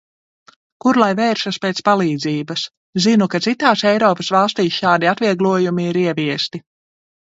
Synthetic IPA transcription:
kuɾlˠajvɛːɾʃuspeːt̪spalˠiːd̪ziːbɐs | zinukat̪sit̪aːsɛjɾɔːpɐsvɑlˠst̪iːsʃaːd̪iat̪viɛɡlˠuɔjumiːɾiɛviɛst̪i

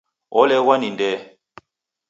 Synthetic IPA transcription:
ɔlɛwanindɛ

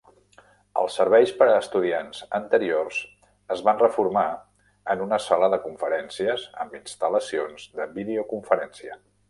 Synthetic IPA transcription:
ə̰lˠsəɾβɛjspəɾəːst̪uðianzənt̪əɾiorz | əzβanrəfuɾma | ənunəsaləðəkuɱfəɾɛnsiəzə̰mbinst̪ələsionzðəbiðeokuɱfəɾɛnsiə

